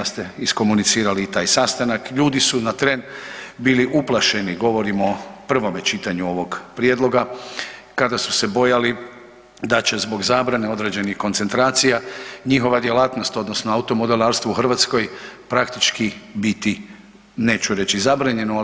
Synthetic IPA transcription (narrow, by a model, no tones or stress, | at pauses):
ast̪eisko̞munit̪siːɾaliːt̪aːjsast̪anakʎuːd̪isunat̪ɾe̞nbiliʔuplˠaʃe̞niɡo̞ʋo̞ɾimo̞pr̩ʋo̞me̞t͡ʃit̪aɲuo̞ʋo̞ɡpɾjed̪lˠo̞ɡa | kad̪asu̥se̞bo̞jali | d̪at͡ɕe̞zbo̞ɡzaːbɾane̞o̞d̪ɾe̞ːd͡ʑe̞nixko̞nt̪se̞nt̪ɾaːt̪sijaɲixo̞ʋad̪je̞laːt̪no̞st̪o̞d̪no̞snoaut̪o̞mo̞d̪elˠaːɾst̪ʋouxrʋat̪sko̞jpɾakt̪it͡ʃkibit̪i | ne̞ːt͡ɕuɾe̞t͡ɕizabɾaɲe̞no